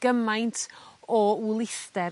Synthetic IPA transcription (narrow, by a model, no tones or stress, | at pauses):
ɡ̥əmajntʰɔwlˠɪθdɛ